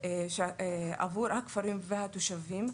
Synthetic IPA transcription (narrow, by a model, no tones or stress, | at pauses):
ʃa̰vuɾhakfaɾimvehat̪oʃavim